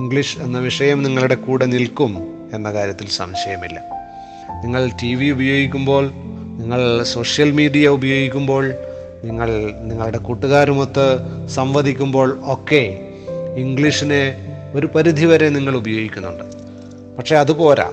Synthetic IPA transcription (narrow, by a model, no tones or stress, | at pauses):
iŋɡɭiʂe̞nːɐʋiʂɐjɐmniŋːɐɭuɽe̞kuːɽɐnilkum | e̞nːɐkaːɾjɐt̪ːilsɐ̰mɕɐjɐmilːɐ̰ | niŋːɐɭtiʋiubɐjo̞ːɡikʲːumbo̞ːɭ | niŋːɐɭso̞ːʂjɐlmiːɖijɐubɐjo̞ːɡikʲːumbo̞ːɭ | niŋːɐɭniŋːɐɭuɽe̞kuʈːuɣaːɾumut̪ːɨsɐmʋɐd̪ʱikʲːumbo̞ːɭoːkːe̞ | iŋɡɭiʂine | o̞ɾupɐɾid̪ʱiʋɐɾe̞niŋːɐɭubɐjo̞ːɡikʲːunːṵɳɖɨ | pɐkʂe̞ɐðupo̞ːɾa̰ː